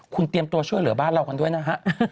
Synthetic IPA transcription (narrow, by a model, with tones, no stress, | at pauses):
kʰu˧nt̪i˧əmt̪u˧ɐt͡ɕʰu˥˩əjlɯ˩˦baː˥˩nɾa˧wka˧ndu˥˩əjna˦˥ɦa˦˥ʔʔ